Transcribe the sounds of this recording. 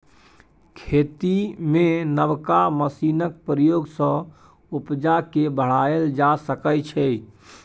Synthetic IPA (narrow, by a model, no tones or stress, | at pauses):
kʰet̪imenəbkaməsinək̚pɾəjoɡsə̃ | upd͡ʒakebəɽ̤aeld͡ʒasəkət͡ʃʰɛ